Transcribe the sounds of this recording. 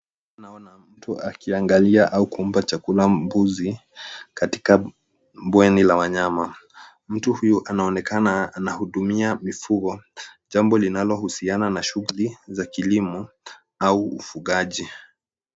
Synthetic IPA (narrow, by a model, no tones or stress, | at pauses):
anaɔnam̩tuʔakiaŋɡaliaʔaukum̩pat͡ʃakulambuzikati̥ka | bwɛnilawaɲama | m̩tuhujuʔanaɔnɛkanaːnahuɗumiamifuɣɔʄambɔlinalɔhusiananaʃuɣulizakilimɔ | auːfuɠaʄi